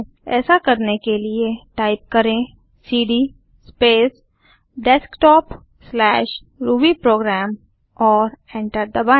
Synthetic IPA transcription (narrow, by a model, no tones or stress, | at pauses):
ɛ̰ːsakɐɾnekelieʈaːɪp̚kɐɾẽ | siːɖi | speːs | ɖɛskʈɔːp | slɛːʃ | ɾuːbipɾoːɡɾɛːm | ɔːɾɛ̃ːɳʈəɾd̪ɐbãː